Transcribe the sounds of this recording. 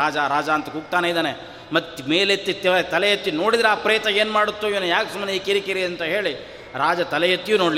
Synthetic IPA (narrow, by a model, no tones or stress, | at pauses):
aːd͡ʒaɾaːd͡ʒaːɐnt̪ɐkuːɡ̚t̪aːneid̪aːne | mɐt̪ːmeːlet̪ːit̪ːiʋɐɾt̪ɐlɛjɐt̪ːijuno̞ːɽid̪ɾeaːpɾɐjɐt̪ɐe̞ːnmaːɽut̪ːuiʋɐnujaːksumːɐneːkiɾikiɾiɐnt̪ɐɦe̞ːɭi | ɾaːd͡ʒɐt̪ɐlɛjɐt̪ːijunoːɽli